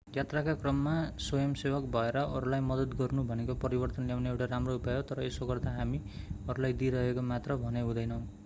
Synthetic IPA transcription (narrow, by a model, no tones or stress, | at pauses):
jat̪rakakrʌmːasojʌmsebʌkbʱʌeɾʌʔʌɾulajmʌd̪ʌd̪ɡʌrnubʱʌnekopʌɾibʌrt̪ʌnljawneewʈaɾamroupaɦot̪ʌɾʌesoɡʌrd̪aɦami | ʌɾulajd̪iɾʌɦekomat̪rʌbʱʌneɦũd̪ʌjnʌw̃